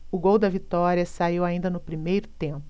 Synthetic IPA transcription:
ʊɡowd̪ɐvit̪ɔɾiɐsaiwaĩnd̪ɐnʊpɾimejɾʊt̪ẽpʊ

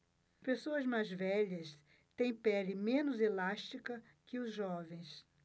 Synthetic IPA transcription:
pesoɐzmajzvɛʎɐs | t̪ẽj̃pɛlɪmẽnʊzelaʃt͡ʃikɐ | kɪʊzʒɔvẽj̃s

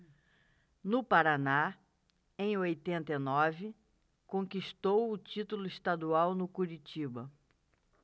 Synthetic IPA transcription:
nʊpaɾana | ẽj̃ojt̪ẽnt̪enɔvɪ | kõŋkiʃt̪owʊt͡ʃit̪ulʊist̪ad̪uawnʊkuɾit͡ʃibɐ

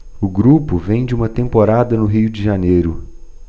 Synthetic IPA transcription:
ʊɡɾupʊvẽj̃d͡ʒɪũmɐt̪ẽmpoɾad̪ɐnʊɦijʊd͡ʒɪʒanejɾʊ

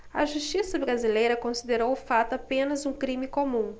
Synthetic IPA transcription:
ɐʒust͡ʃisɐbɾazilejɾɐkõsid̪eɾowʊfat̪ʊapẽnɐzũkɾĩmɪkomũ

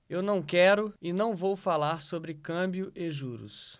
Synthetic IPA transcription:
ewnɐ̃w̃kɛɾʊɪnɐ̃w̃vowfalaɾsobɾɪkɐ̃bjʊʔeʒuɾʊ̰s

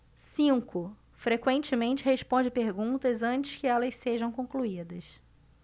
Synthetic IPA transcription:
sĩkʊ | fɾekwẽnt͡ʃɪmẽnt͡ʃɪhespõd͡ʒɪpeɾɡũnt̪ɐzɐ̃nt͡ʃɪ̥skɪɛlɐseʒɐ̃w̃kõkluid̪ɐs

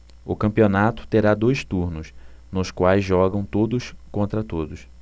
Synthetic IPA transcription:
ʊkɐ̃mpionat̪ʊ̥t̪eɾad̪ojst̪uɾnʊsnʊskwajzʒɔɡɐ̃w̃t̪od̪ʊskõnt̪ɾɐt̪od̪ʊs

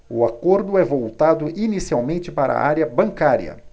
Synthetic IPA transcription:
ʊakoɾd̪ʊɛvowt̪ad̪ʊʔinisiawmẽnt͡ʃɪpaɾɐ̰a̰ɾjɐbɐ̃ŋkaɾjɐ̰

